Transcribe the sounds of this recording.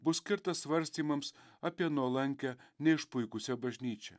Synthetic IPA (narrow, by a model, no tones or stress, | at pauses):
bʊsʲkʲɪɾt̪ɐsʋɐɾʲsʲt̪ʲiːmɐmsɐpʲiɛnuɔlˠɐŋʲkʲɛnʲɛɪʃpʊɪkʊsʲobɐʒʲnʲiːt͡ʃʲɛ̰